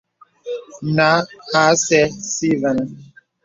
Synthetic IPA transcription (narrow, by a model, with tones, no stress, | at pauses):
na˨˦ha˦sɛ˦si˦vɛ˨n˦